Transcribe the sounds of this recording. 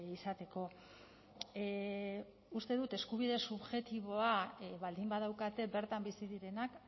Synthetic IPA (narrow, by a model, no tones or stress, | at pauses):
isat̪e̞ko̞ | ust̪e̞ðut̪e̞skuβ̞iðe̞suβʝe̞t̪iβ̞o̞aβald̪imbaðawkat̪e̞be̞ɾt̪ambisiðiɾe̞nak